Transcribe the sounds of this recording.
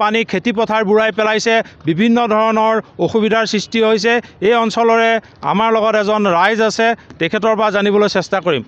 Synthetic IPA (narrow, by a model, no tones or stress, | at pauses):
panikʰetip̬ɔtʰaɹbuɹajpɛlajsɛbibʱinːɔdʱɔɹɔnɔɹoxubidʱaɹsɹistiɦojs̬ɛejɔnsɔlɔɹɛ | a̰maɹlɔɡɔtɛzɔnɹajzasɛtɛkʰɛtɔɹpɹazanibɔlojsɛstakoɹim